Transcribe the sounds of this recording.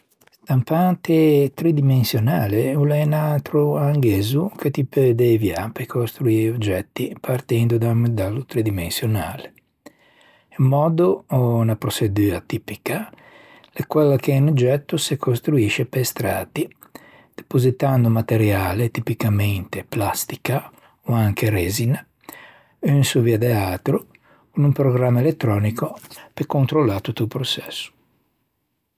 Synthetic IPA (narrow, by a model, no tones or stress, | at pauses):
st̪ampant̪et̪ɾid̪imensjonaːleulɛnalt̪ɾuaŋɡeːzuket̪iped̪evjapekʰost̪ɾuiːod͡ʒɛt̪ːipʰart̪ɛnd̪ud̪amed̪alːut̪ɾed̪imensjonaːle | emːɔːd̪oɔnapɾosed̪yːat̪ipika | lekwɛlːakeɛnod͡ʒɛt̪ːosekost̪ɾuiʃepest̪ɾaːt̪i | d̪̥epozit̪and̪omat̪eɾjaːlet̪ipikament̪eplast̪i̥ka | oaŋkeɾezina | ynsuviad̪eat̪ɾo | numpɾoɡɾamːaelet̪ːɾɔːnikopekːont̪ɾolːaɾt̪ut̪ːupɾot͡ʃɛsːu̥